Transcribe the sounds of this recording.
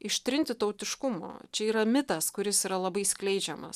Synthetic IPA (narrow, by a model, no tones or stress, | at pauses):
ɪʃʲt̪ʲɾʲɪnʲt̪ʲɪt̪ɐʊt̪ʲɪʃkʊmo̰ːt͡ʃʲɛiːɾɐmʲɪt̪ɐskʊɾʲɪsiːɾɐlˠɐbɐɪsklʲɛɪd͡ʒʲɛmɐ̰s